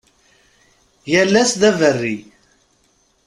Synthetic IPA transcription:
jælːæsðævərːi

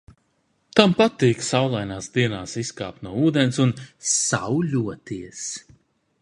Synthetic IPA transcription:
t̪ampat̪iːksawlˠajnaːsd̪iɛnaːsiska̰ːp̚t̪nuɔuːd̪ensunsa̰wʎʲuɔt̪iɛs

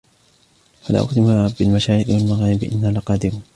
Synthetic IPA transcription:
fala̰ʔʊ̰xd̪ɪmabɪlmaʃaːjɪqwalmaɣaːɾɪbʔɪ̰nːalaqɑːd̪ɪɾu

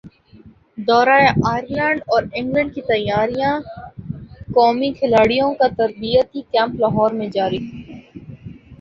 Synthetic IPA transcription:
d̪ɔːɾaːeʔaːjəɾlɛ̃ːɳɖɔːɾɪ̃ŋɡlə̃ɳɖ̚kit̪ɐjːaːɾijã | kɔːmikʰɪlaːɽijõkat̪ɐɾbijət̪ikɛ̃ːmplaɦɔːɾmẽd͡ʒaːɾi

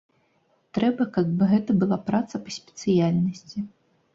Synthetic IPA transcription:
t̪ɾɛbɐkaɡ̚bɨɣɛt̪ɐbɨlˠapɾat̪sɐpɐsʲpʲɛ̥t̪sɨjalʲnɐsʲt͡sʲi

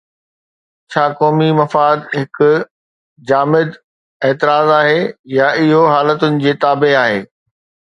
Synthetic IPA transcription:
t͡ɕʰaːkɔːmimɐfaːd̪ɦɪkʊ̆ | d͡ʑaːmɪd̪ | eːt̪ɪɾaːzaːɦejaʔɪɦoɦaːlət̪ʊnɪ̆d͡ʑeːt̪aːbeaːɦeː

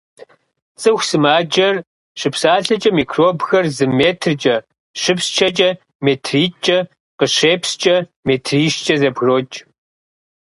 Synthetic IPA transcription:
t͡sʼɨxʷsɨmaːd͡ʒɐr | ɕɨpsaːɬɐt͡ʃʼɐmiːkʰroːbxɐrzɨmeːtʰrt͡ʃʼɐ | ɕɨpst͡ʃʰɐt͡ʃʼɐ | meːtʰriːt͡ʃʼɐ | qəɕeːpst͡ʃʼɐmeːtʰriːʃt͡ʃʼɐzɐbɣroːt͡ʃʼ

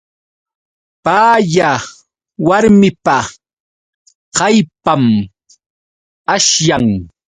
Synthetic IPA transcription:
paːja | waɾmɪpa | qɑjpam | aʃjaŋ

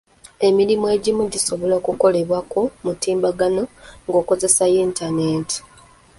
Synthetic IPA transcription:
e̞milimoe̞ɟimuɟiso̞βoloːkuko̞le̞βwakomutiːmbaɡano̞ŋɡo̞ːko̞ze̞sajiːntaneːti̥

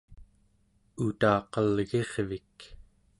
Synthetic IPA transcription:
ut̪ɑːqʌlɣe̞ʁvik

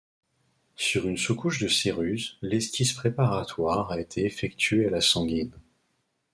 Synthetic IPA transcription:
syʁynsukuʃd̪əseʁyzlɛskʲispχepaʁat̪waʁaet̪ʰeːfɛk̚t̪ʰɥealasɑ̃ɡʲin

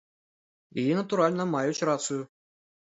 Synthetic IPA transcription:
iinɐt̪uɾalʲnəmɑjut͡ɕrat̪sɨju

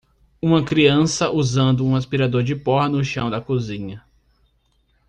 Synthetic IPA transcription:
ũmɐkɾiɐ̃sɐʔuzɐ̃nd̪ʊũaspiɾad̪oɾd͡ʒɪpɔɦɐnʊʃɐ̃w̃d̪ɐkuzĩɲɐ

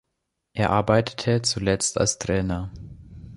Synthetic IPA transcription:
ʔeːɐʔaɐbaɪtʰə̥tʰət͡sulɛt͡stʰa̰lstʁ̥ɛːnɐ

